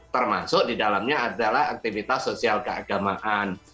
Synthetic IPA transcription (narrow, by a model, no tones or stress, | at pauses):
t̪ərma̰sʊʔdidalamɲaadalahak̚t̪ifit̪asːosialkəaɡamaʔan